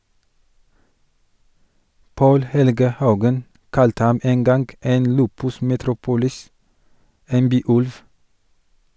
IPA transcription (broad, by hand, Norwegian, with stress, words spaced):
ˈpoːl ˈhɛlɡə ˈhɑʉɡən ˈkɑltə ˈhɑm ˈeːn ˈɡɑnɡ ˈeːn ˈlʉːpʉs mɛˈtɾuːpʊlɪs ˈeːn ˈbyːˌʉlʋ